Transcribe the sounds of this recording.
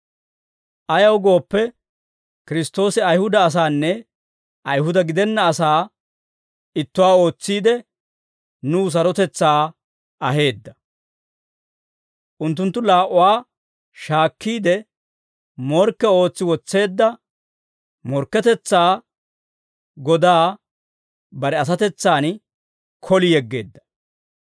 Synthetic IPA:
ʔɐjɐwɡo̞ːpːɛ | kɪɾɪst̪ːo̞ːsɪɐjhʊd̪ɐːs̬aːnːɛ | ʔɐjɦʊd̪ɐɡɪd̪ɛnːɐːsaː | ɪt̪ːʊwaːo̞ːt͡sːiːd̪ɛ | nuːs̬ɐɾɔt̪ɛt͡sːaː | ɐɦe̞ːd̪ːɐ | ʔʊnt̪̬ːʊnt̪ːʊlaːʔʊwaː | ʃaːkːiːd̪ɛ | mɔɾkːɛo̞ːt͡sːɪwɔt͡sːe̞ːd̪ːɐ | mɔɾkːɛt̪ɛt͡sːaː | ɡɔd̪aː | bɐɾɛɐs̬ɐt̪ɛt͡sːaːn | kʰɔlɪjɛɡːe̞̰ːd̪ːɐ̥

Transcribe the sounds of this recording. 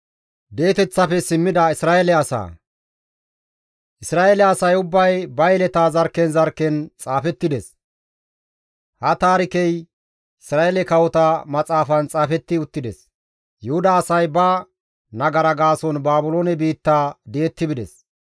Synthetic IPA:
d̪e̞ːt̪ɛt͡sːɐfɛsɪmːɪd̪ɐɪsɾaːelɛɐsa̰ː | ʔɪsɾaːʔɛlɛɐsɐjʊbːɐjbɐjɛlɛt̪aːzɐɾkːɛnzɐɾkːɛnt͡sʼaːfɛt̪ːɪd̪ɛs | hɐt̪aːɾɪkɛj | ɪsɾaːɛlɛkɐwɔt̪amɐt͡sʼaːfɐnt͡sʼaːfɛt̪ːɪʊt̪ːɪd̪ɛs | jʊhʊd̪aːsɐjbɐ | nɐɡɐɾɐɡaːsɔnbaːbʊloːnɛbiːt̪ːaːd̪eːt̪ːɪbɪd̪ɛs

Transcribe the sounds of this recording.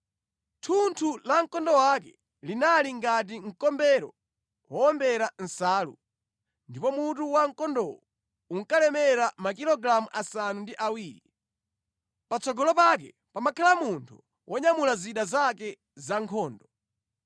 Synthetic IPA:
tʰuntʰulaŋ̩kɔndɔwakɛ | linaliŋɡat̬iŋ̩kɔmbɛɾɔ̰ | wɔɔmbɛɾan̩saːlṵ | ndipɔmutuwaŋkɔndɔwɔ | uŋ̩kalɛmɛɾamakilɔɡɾamuʔasanundiʔawiːɾi | pat͡sɔɡɔlɔpak̬ɛ̰ | pamakʰalamuntʰu | wʔɔɲamulaziɗazakɛ | zaŋkʰɔːndɔ

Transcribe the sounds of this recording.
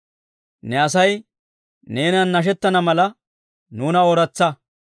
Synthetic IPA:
nɛɐs̬ɐj | neːnɐnːɐʃ̬ɛt̪ːɐnɐmɐlɐ | nuːnɐɔɾɐt͡sːɐ

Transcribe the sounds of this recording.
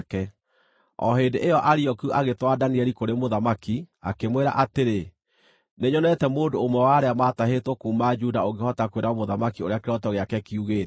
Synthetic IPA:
kɛ | ɔ̰ɦeːndeʔejɔʔaɾiɔkuʔaɣetwadaniɛɾikoɾemoðamakia̰kemweɾa̰ʔateɾe | neɲɔnɛtɛmoːndoːmwɛwaɾeamataɦetwɔkuːmad͡ʒudaoŋɡehɔtakweɾamoðamakioɾeakeɾɔtɔɣeakɛkiuɣeːt

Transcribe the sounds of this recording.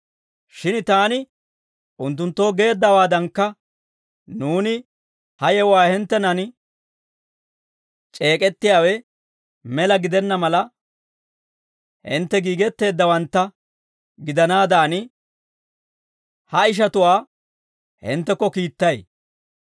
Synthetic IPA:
ʃɪnt̪aːnɪ | ʔʊnt̪ːʊnt̪ːo̞ːɡe̞ːd̪ːɐwaːd̪ɐŋkːɐ | nuːnɪ | hɐjɛwaːhɪnt̪ːɛnɐn | t͡ʃʼe̞ːkʼɛt̪ːɪjaːwɛ | mɛlɐɡɪd̪ɛnːɐmɐlɐ | hɪnt̪ːɛɡiːɡɛt̪ːe̞ːd̪ːɐwɐnt̪ːɐ | ɡɪd̪ɐnaːd̪aːnɪ | hɐɪʃ̬ɐt̪ʊwaː | hɪ̰nt̪ːɛkːɔkiːt̪ːɐj

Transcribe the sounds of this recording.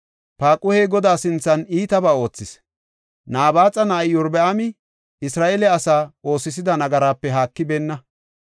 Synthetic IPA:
paːkʼʊheːɡɔd̪aːsɪnt͡sːɐniːt̪ɐbaːo̞ːt͡sːɪs | naːbaːt͡sʼɐnɐjjʊɾbɛʔɐmɪ | ɪsɾaːʔelɛɐsaːo̞ːsːɪs̬ɪd̪ɐnɐɡɐɾaːpːɛɦaːkːɪbeːnːɐ

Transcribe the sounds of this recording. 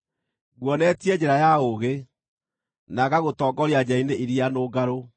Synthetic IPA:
ɣwɔnɛtiɛd͡ʑɛɾajaoɣe | naɣaɣotɔːɡɔɾiad͡ʑaineiɾianoːɡaɾo

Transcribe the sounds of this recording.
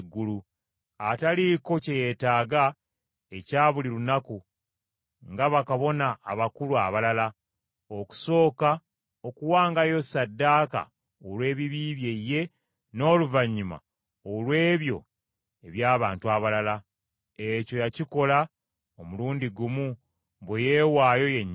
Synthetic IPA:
ɡːulu | ataliko̞ceje̞ːtaːɡa | e̞caːβulilunaku | ŋɡaβakaβo̞naːβakuluaβalala | oku̥so̞ːka | o̞kuwaːŋɡajo̞sadːaːka̰ | olwe̞ːβiβiːβje̞je̞ | no̞ːluvaɲːima̰ | olwe̞ːβjo̞̰ | e̞βjaːβaːntuaβalala | e̞co̞jaciko̞la | omuluːndiɡumu | βweje̞ːwaːjo̞je̞ɲː

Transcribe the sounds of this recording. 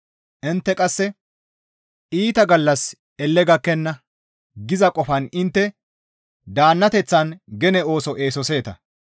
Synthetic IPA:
ʔɪnt̪ːɛkʼɐsːɛ | ʔiːt̪ɐɡɐlːɐs | ɛlːɛɡɐkːɛnːɐ | ɡɪzɐkʼɔfɐnɪnt̪ːɛ | d̪aːnːɐt̪ɛt͡sːɐnɡɛnɛo̞ːsɔʔe̞ːsɔse̞ːt̪ɐ̰

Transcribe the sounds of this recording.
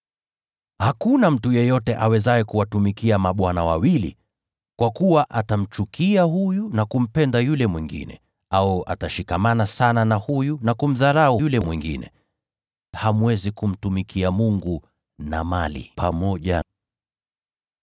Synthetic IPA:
hakunam̩tujɛjɔtɛʔawɛzaɛkuwatumikiamaɓwanawawilḭ | kwakuwaʔatam̩t͡ʃukʰiahujunakum̩pɛndajulɛmwiŋɡḭnɛ̰ | auʔa̰taʃikamanasananahujunakum̩ðaɾajulɛmwiŋɡḭnɛ̰ | hamuwɛzikum̩tumikʰiamuŋɡu | na̰malḭpʰamɔʄa

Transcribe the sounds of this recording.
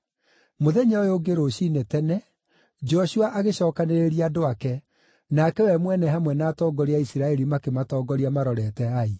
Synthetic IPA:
moðɛɲaojoɡeɾoɕinetɛnɛ | d͡ʒɔʃuaʔaɣeɕɔːkaneɾeɾiadoakɛ | nakɛwɛmwɛnɛɦamwɛnaːtɔːɡɔɾeaisiɾaɛɾimakematɔːɡɔɾeamaɾɔɾɛtɛai

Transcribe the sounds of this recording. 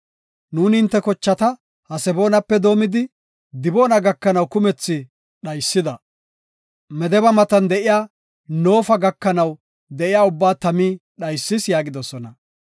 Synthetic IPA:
nuːnɪnt̪ːɛkɔt͡ʃːɐt̪ɐ | hɐsɛbo̞ːnɐpːɛd̪o̞ːmɪd̪ɪ | d̪ɪbo̞ːnɐɡɐkːɐnɐwkʊmɛt͡sːɪ | ɗɐjsːɪd̪ɐ | mɛd̪ɛbɐmɐt̪ɐnd̪ɛʔɪjaː | no̞ːfɐɡɐkːɐnɐw | d̪ɛʔɪjaːʊbːaːt̪ɐmiːɗɐjsːɪsjaːɡɪd̪ɔsɔnɐ

